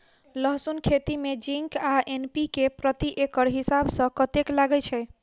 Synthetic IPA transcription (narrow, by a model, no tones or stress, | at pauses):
ləɦsunkʰet̪imed͡ʒiŋkaʔenpikepɾət̪iʔekəɾɦisabsə̃kət̪eklaɡɛt͡ʃʰɛ